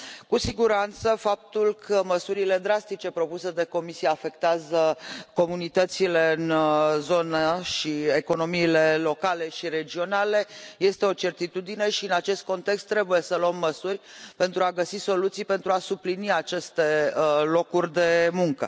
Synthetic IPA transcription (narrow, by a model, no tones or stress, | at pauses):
kusiɡuɾant̪səfap̚t̪ulkʰəməsuɾile̞d̪ɾast̪it͡ʃe̞pɾo̞puse̞d̪e̞ko̞misijeafe̞kt̪eazəko̞munit̪ət̪sile̞ɨnzo̞naʃieko̞no̞miːle̞lo̞kale̞ʃiɾe̞d͡ʒio̞nale̞je̞st̪e̞o̞t͡ʃe̞rt̪it̪ud̪ine̞ʃiɨnat͡ʃe̞st̪̚ko̞nt̪e̞kst̪ːɾe̞buje̞səloəmːəsurʲpe̞nt̪ɾuaɡəsiso̞lut̪sijpe̞nt̪ɾuasubliniat͡ʃe̞st̪e̞əlo̞kurʲd̪e̞muŋkə